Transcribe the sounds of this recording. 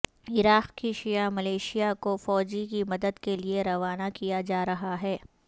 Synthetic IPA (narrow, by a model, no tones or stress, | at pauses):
ɪɾaːqkiʃijamɐleːʃijakofɔːd͡ʒikimɐd̪əd̪kelieɾɐʋaːnakijad͡ʒaːɾɐɦaɦɛː